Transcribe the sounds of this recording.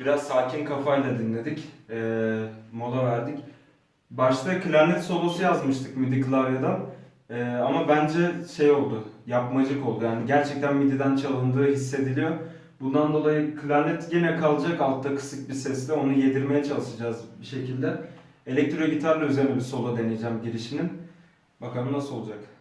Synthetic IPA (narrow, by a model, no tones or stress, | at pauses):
b̥iɾazsaːcʰinkʰafajlˠad̪inlʲe̞d̪icɛːmo̞d̪ˠavæɾd̪ic | baʃt̪ʰakʰɯlʲaɾnʲɛt̪so̞lˠosujazmɯʃt̪ʰɯkmid̪ikʰlˠaɾjad̪a | ɛːamabænd͡ʒɛʃe̞jo̞lˠd̪ʊjapmad͡ʒɯko̞lˠd̪ujaːniɟæɾt͡ʃʰɛc̚t̪ʰænmid̪id̪ænt͡ʃʰalˠɯnd̪ɯːɦisːe̞d̪ilʲijo̞ | bund̪and̪o̞lˠajɯkʰɯlʲaɾnʲɛt̪ɟenɛkʰalˠɯd͡ʒakalˠt̪ʰːakʰɯ̥sɯk̚bisɛsd̪ʲɛo̞nuje̞d̪iɾme̞jɛt͡ʃʰalˠɯʃad͡ʒaːzbiʃe̞cʰilʲd̪ɛ | elʲɛc̚t̪ɾoeɟʲit̪ʰaɾlʲˠyzeɾinʲɛbiso̞lˠad̪e̞nejid͡ʒæmɟiɾiʃinin | bakʰamɯnaso̞lˠud͡ʒak